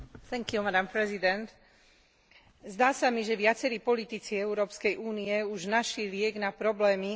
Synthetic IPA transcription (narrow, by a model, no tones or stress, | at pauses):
θɛŋkjumad̪ampɾɛzid̪ɛnt̪ | zd̪aːsamiʒɛʋɪat͡sɛɾiːpɔlit̪it͡siɛuɾɔːpskɛjʔuːniɛuʒnaʃlilɪɛɡnapɾɔblɛːmi